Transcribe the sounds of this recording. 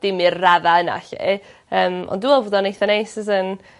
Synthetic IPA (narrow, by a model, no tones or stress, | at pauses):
d̥ɪmɪrːaðaəna̰ɬḛ | əːmɔ̰ndũwɛlˠvoːdɔnejθanejsɪzən